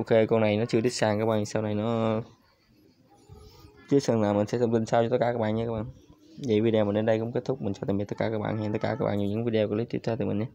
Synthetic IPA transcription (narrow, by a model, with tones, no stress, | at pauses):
ʔo˧˩ke˧kɔ˧na˨˩jnɔ˨˦t͡ɕɨ˧əɗi˦˥k̚saː˨˩ŋkaː˧˦˥kɓaː˧˨saː˧wna˨˩jnɔ˨˦ | t̪i˦˥ət̚zə˨˩ŋlaː˨˩mï˨˩ŋ̟sɛ̰˧˥t̪ə˧wŋ͡mt̪i˧ŋ̟saː˧wt͡ɕɔ˧t̪ə˦˥t̚kaː˧˩aː˦˥ɓaː˧˨nɲɨ˧kaː˦˥ɓa̰ː˧˨ŋ | və˨˩˦vi˧ɗe˨aː˨˩ɗe˨˧nɗə˧jkʊ̰˧˥ŋ͡mke˦˥t̚t̪ʰʊ˦˥k͡p̚mi˨˩t͡ɕɔ˧˩t̪ːt̪ə˦˥t̚aː˧kaː˦˥k̚ɓa̰ː˧˨ha˧˩t̪ə˦˥kaː˧˩kaː˦˥kɓa̰ː˧˨˩zi˨˩ɲɨ̰˧˥ŋvi˧ɗe˨kɔ˨˦li˨˦˥t̪wi˦˥t̪ʰːt̪ːmï˨˩ŋɲa˨˦